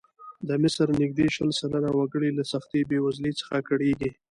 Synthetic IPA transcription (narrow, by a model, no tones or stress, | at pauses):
d̪əmɪsɾnɪɡ̚d̪eʃəlsalanawaɡəɽilasaxt̪ebewazlet͡sə̥xakaɽeɡi